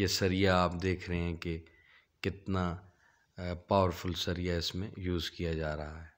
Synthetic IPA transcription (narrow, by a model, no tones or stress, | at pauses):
jesɐɾijaaːpd̪eːkʰɾɐɦeɛ̃ke | kɪt̪na | paːʋəɾfʰʊlsɐɾijaɪsmẽjuːzkijad͡ʒaːɾɐɦaɦɛː